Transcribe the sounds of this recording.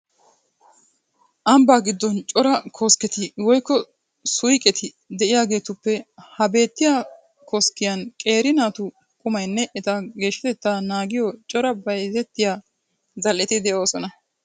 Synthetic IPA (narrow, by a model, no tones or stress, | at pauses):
ʔɐmbaːɡɪd̪ːɔnt͡ʃʼɔɾɐkʰoːskɛt̪ɪwɔjkːɔ | sʊjkʼɛt̪ʰɪ | d̪ɛʔɪjaːɡe̞ːt̪ʊpːɛhɐbe̞ːt̪ːɪja | koskːɪjɐnkʼe̞ːɾɪnaːt̪ʊ | kʼʊmɐjnːɛʔɛt̪aɡe̞ːʃːɪ̥t̪ɛt̪ːaːnaːɡɪjɔt͡ʃʼɔɾɐbɐjzɛt̪ːɪjaː | zɐlʔɪt̪ɪd̪ɛʔo̞ːsɔnɐ